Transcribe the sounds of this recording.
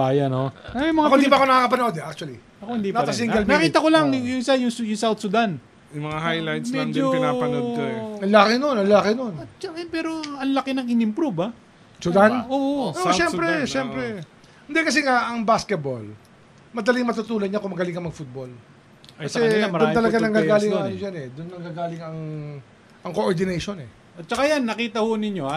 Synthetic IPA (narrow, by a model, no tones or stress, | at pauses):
baːjɐnoɐmɛjmɐŋaohɪd̪ipɐkonɐkaːkɐpɐnʔod̪ɛʔak̚t͡ʃuɐli | ɐkohɪnd̪inasɐsiŋɡɐlmɐkiːt̪ɐkolɐŋjʊŋsajʊŋsjʊŋsawt̪sʊd̪an | jʊmɐŋahajlajt̪smɛd͡ʒoɪnapɐoɐnlaːkɪnonɐnlaakɪnont͡ʃaɛpɛːɾoɐnlɐkɪnɐŋɪnɪmpɾubɐ | sʊd̪anoʔoʔʃɛmpɾɛʃɛmpɾɛ | hɪnd̪ɛkɐs̬ɛŋaʔɐŋbaskɛt̪̚bo̰l | mɐd̪ɐlɪŋmɐt̪ut̪uːlonɲakoʊmɐɡɐlɪŋkːɐmɐɡfut̪̚bol | ɐsɛd̪ʊnt̪ɐlɐɡanɐŋɡaːɡaːlɪŋajod͡ʒanɛd̪ʊnːɐŋɡaːɡaːlɪŋɐŋ | ʔɐŋkoʔoɹd̪ɪnɛjʃonɛ | ɐt̪̚t͡ʃɐkajanːɐkiːt̪ɐhʊnɪɲjoa